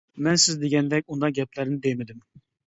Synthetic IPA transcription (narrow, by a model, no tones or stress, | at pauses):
mɛnsɪzd̪eɡʲɛnd̪ɛkʲund̪ɑɡʲɛplæɾnɪd̪ejmɪd̪ɪm